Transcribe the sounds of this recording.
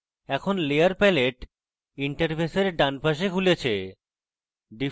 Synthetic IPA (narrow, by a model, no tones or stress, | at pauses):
ɛkʰonleaɾpɛleʈ | iɳʈeɾpeseɾɖanpaʃ̬ekʰulet͡ɕʰḛ | ɖi